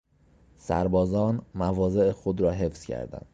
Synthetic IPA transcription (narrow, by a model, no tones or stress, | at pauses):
sæ̰ɾbɒːzɒːnmævɒːze̞ʔexod̪ɾɒːɦe̞fz̥cʰæ̰ɾd̪æ̰nd̪̥